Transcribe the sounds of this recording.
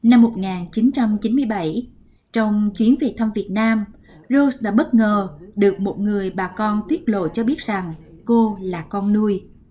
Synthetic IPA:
na˧mːo˨˩t̚ŋaː˨˩nt͡ɕi˨˦nt͡ɕa˧mt͡ɕi˨˦nmɨ˧əjɓa˧˩j | t͡ɕɔ˧wŋ͡mt͡ɕwi˨˦ənvi˨˩t̚t̪ʰə˧mvi˨˩ət̚naː˧m | zo˧sɗa̰ː˧˥ɓə˦˥t̚ŋəː˨˩ɗɨ˨˩ək̚mo˨˩t̚ŋɨ˨˩əjɓaː˨˩kɔ˧nt̪wi˦˥ət̚lo̰˧˨t͡ɕɔ˧ɓi˦˥ət̚za˨˩ŋ | ko˧laː˨˩kɔ˧nːu˧əj

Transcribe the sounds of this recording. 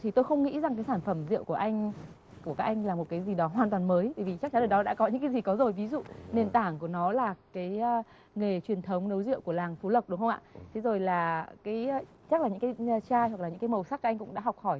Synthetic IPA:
t̪ʰi˨˩t̪o˧jxə˧wŋ͡mŋḭ˧˥za˨˩ŋkaː˨˦jsaː˧˩nfə˧˩mzḭ˧˨əwku˧˩əʔa˧jŋ̟ | ku˧˩kaː˦˥ʔa˧jŋ̟laː˨˩mo˨˩t̚kaː˨˦jzi˨˩ɗɔ˨˦ɦwaː˨˩nt̪waː˨˩nməː˨˦jɓaː˧˩vi˨˩t͡ɕa˦˥k̚t͡ɕa˨˦ɗəː˨˩ɗɔ˨˦ɗa̰ː˧˥kɔ˨˦ɲɨ̰˧˥ŋkaː˨˦jzi˨˩kɔ˨˦zo˨˩jvi˨˦zṵ˧˨ne˨˩nt̪aː˧˩ŋku˧˩ənɔ˨˦laː˨˩kaː˨˦j | ŋe˨˩t͡ɕwi˨˩ənt̪ʰə˨˦wŋ͡mnə˨˦wzḭ˧əwku˧˩əlaː˨˩ŋfu˨˦lə˨˩wk͡p̚ɗʊ˨˦ŋ͡mxə˧ŋ͡mʔa̰ː˧˨t̪ʰe˨˦zo˨˩jlaː˨˩kaː˨˦j | t͡ɕa˦˥laː˨˩ɲɨ̰˧˥ŋkːjt͡ɕaː˧jhwa˨˩klaː˨˩ɲɨ̰˧˥kːaː˨˦jmə˨˩wsa˦˥k̚ːʔjŋkʊ̰˧˥ŋ͡mɗa̰ː˧˥ɦɔ˨˩wk͡p̚xɔ˧˩j

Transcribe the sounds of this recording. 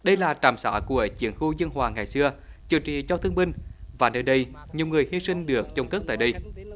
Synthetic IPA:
ɗə˧jlaː˨˩t͡ɕaː˨˩msa̰ː˧˩˥ku˧˩ət͡ɕḭ˨˦ənxu˧zə˧nhwaː˨˩ŋa˨˩jsɨ˧ət͡ɕɨ˨˩t͡ɕḭ˨˩t͡ɕɔ˧t̪ʰɨ˧əŋmï˧ŋ̟vaː˨˩nəː˧jɗə˧jɲi˨˩əwŋɨ˨˩əjhi˧sï˧ŋ̟ɗɨ˨˩ək̚t͡ɕə˧wŋ͡mk̪ə˦˥k̚t̪a̰ː˧˨jɗə˧j

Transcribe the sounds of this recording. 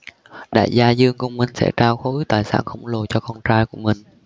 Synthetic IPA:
ɗa̰ː˧˨jzaː˧zɨ˧əŋku˧wŋ͡mmï˨˩ŋ̟sɛ̰˧˥t͡ɕaː˧wxo˧˦˨t̪aː˨˩jsa̰ː˧˥˩nxə̰˧˩wŋ͡mlo˨˩t͡ɕɔ˧kɔ˧nt͡ɕaː˧jku˧˩əmï˨˩ŋ̟

